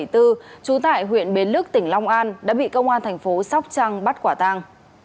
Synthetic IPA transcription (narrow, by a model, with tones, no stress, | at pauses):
jt̪ɨ˧t͡ɕu˨˦t̪a̰ː˧˨jɦwḭ˧˨ənɓe˨˦nlɨ˦˥k̚t̪ï˧˩ŋ̟lɔ˧wŋ͡mʔaː˧nɗa̰ː˧˥ɓḭ˧˨kə˧wŋ͡mʔaː˧nt̪ʰɛ˨˩jŋ̟fo˨˦sa˦˥wk͡p̚t͡ɕaː˧ŋɓa˦˥t̚kwaː˧˩t̪aː˧ŋ